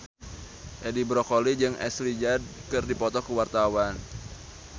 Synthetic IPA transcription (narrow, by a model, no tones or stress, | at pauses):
ʔɛdibɾɔkolid͡ʒɨŋʔɛ̰slid͡ʒad̚kɨrdipɔt̪ɔkuwart̪awan